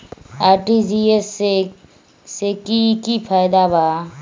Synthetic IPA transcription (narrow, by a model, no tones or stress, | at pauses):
aːɾʈid͡ʒiese | sekikipʰaːjɪd̪abaː